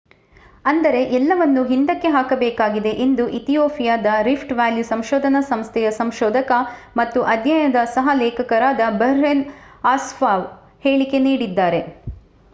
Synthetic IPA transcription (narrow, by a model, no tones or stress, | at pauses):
ɐnd̪ɐɾe̞ʔɛlːɐʋɐnːuɦind̪ɐkːe̞ɦaːkɐbɛːkaːɡid̪e̞ʔend̪uʔit̪ijoːpʰijaːd̪ɐɾipʰʈʋaːljusɐmʃɔːd̪ʱɐnɐsɐmst̪ʰɛjɐsɐmʃɔːd̪ʱɐkɐmɐt̪ːuʔɐd̪ʱjɐjɐd̪ɐsɐɦɐlɛːkʰɐkɐɾaːd̪ɐbɐɾenaːsfaːʋ | heːɭike̞niːɽid̪ːaːɾe̞